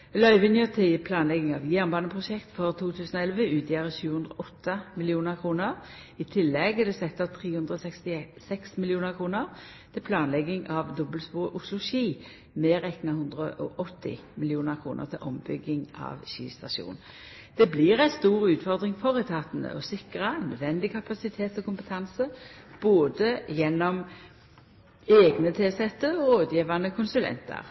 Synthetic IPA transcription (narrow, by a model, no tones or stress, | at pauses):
lœʏʋɪnjœt̪ʰɪpʰlɑːnlɛɡɪŋɑʋjæʁnbɑːnəpʰʁʊʃɛkt̪fɔʁt̪ʰuːt̪ʰʉːsnɔɛlʋəʉːt̪ɪɑʁəʃʉːhʉnd̪ʁɔʔɔt̪ːəmɪlɪuːnəʁkʰʁuːnəʁ | it̪ʰɪlːɛɡɛd̪ɛsɛt̪ːɔt̪ʰʁiːhʉnd̪ʁəɔɛkst̪ɪsɛksmɪljuːnəʁkʰʁuːnəʁ | t̪ʰɪlpʰlɑːnlɛɡɪŋʔɑʋd̪ɔbəlspuːʔʊslʊʃiː | meːʁɛknɑhʉnd̪ʁəʔɔ̰ʔɔt̪ʰːɪ̰mɪlɪuːnəʁkʰʁuːnʔə̰ʁt̪ʰɪlʔɔmbʏɡɪŋʔɑ̰ʋɕḭːst̪ɑʃṵːn | d̪̥ɛbliːʁæɪst̪uːʁʉːt̪fɔʁd̪ʁɪŋfɔʁɛt̪ʰɑt̪nə̰ɔsɪkʁɑænœd̪ʋɛnd̪ɪkʰɑpɑsɪt̪ʰeːt̪ɔkʊmpət̪ʰɑnsəb̥oːd̪əjɛnːɔm | eːɡnət̪ʰeːsɛt̪ːəɔɾoːd̪jiːʋɑnəkʰʊnsʉlɛ̰nt̪ə̰ʁ